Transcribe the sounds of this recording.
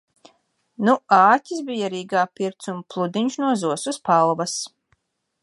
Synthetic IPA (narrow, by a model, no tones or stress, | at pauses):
nuaːtʲisbijaɾiːɡaːpiɾt̪sumplˠud̪iɲʃnuɔzuɔsuspalˠvɐs